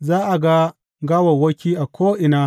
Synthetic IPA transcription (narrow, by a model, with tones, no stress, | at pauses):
zaː˦ʔa˨ɡa˦ | ɡa˦wɐ˨wɐ˦kʲiː˦ʔa˨kʷʰoː˦ʔɪ˨naː˦